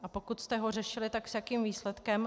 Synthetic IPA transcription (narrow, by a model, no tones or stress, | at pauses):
ʔapo̞kut̪st̪ɛɦo̞r̝ɛʃɪlɪt̪aksjakiːmviːslɛt̪kɛm